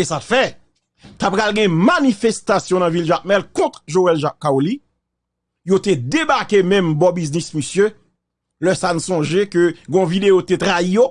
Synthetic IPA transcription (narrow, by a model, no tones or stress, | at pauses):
esatfɛ | t̪apkalɡɛ̃manifest̪asjɔ̃nɐ̃vilʒak̚mɛlkɔ̃t̪ʁʒoɛlʒakːaoli | jot̪ed̪ebaʁkemɛ̃mbɔ̃biznisməsjø | lœsanusɔ̃ʒekøɡɔ̃vid̪eot̪et̪ʁaijo